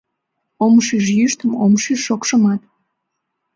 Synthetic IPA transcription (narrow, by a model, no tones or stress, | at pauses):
omʃiʃ̬jyʃt̪əmomʃiʃːokʃəmɑt̪